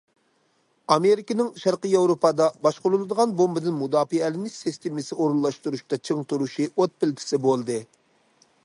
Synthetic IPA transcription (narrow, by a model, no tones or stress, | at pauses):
ɑmeɾɪkʲɪnɪŋʃæɾqəjɑwɾopɑd̪ɑbɑʃqʊlˠulˠɨd̪əʁɑnbombɨd̪ɪnmud̪ɑːfiɛlɪnɪsɪst̪ʰɪmɪsɪoɾulˠːɑʃt̪uɾuʃt̪ɑt͡ʃʰeŋt̪uɾuʃiot̪̚pɪlt̪ʰɪ̥sɪbolˠd̪ɨ